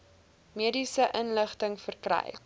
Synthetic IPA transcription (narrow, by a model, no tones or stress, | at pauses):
miədisəʔənləχtəŋfərkrɛ̰j